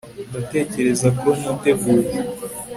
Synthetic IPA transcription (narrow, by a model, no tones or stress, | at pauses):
ndate̞ːce̞ɾe̞zakoomute̞ɡuːɾe